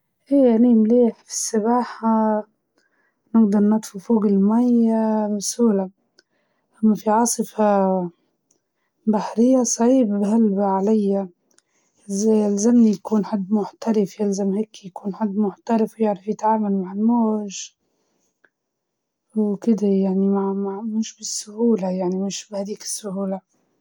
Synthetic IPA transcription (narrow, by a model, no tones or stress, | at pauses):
ʔeːjaanimleːħfi̥sːabaːħa | nɪɡd̪ɑɾˤnɑt̪ˤfufuːɡɪlmajabsuːla | ʔamːafiʕɑːsˤɨfa | baħɾɪjːasˤɑʕiːbhalbaʕalajːa | ɪzjalzamnijakuːnħad̪ːmʊħt̪aɾɪfjɪlzamheːkjakuːnħad̪ːmʊħt̪aɾɪfwjɪʕɾafjɪt̪ʕaːmalmaʕɪlmoːʒ | wkɪd̪ajaʕnimaʕmaʕmɪʃbɪsːʊhuːlajaʕnimɪʃbhad̪iːkɪ̥sːʊhuːla